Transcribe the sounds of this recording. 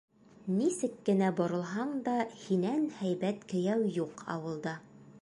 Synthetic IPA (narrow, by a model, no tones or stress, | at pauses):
nisɘkːɘ̆næbŏɾɤ̆lˠɦɑɴd̪ɑhinænhæjbæt̪kɘ̆jæwjuqʰɑ̰wɤ̆lˠd̪ɑ